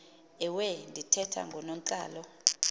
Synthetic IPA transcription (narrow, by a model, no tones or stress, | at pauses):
ɛwɛndʱitʰɛtʰa̰ŋɡʱɔnom̩t͡ɬʼa̰ːlɔ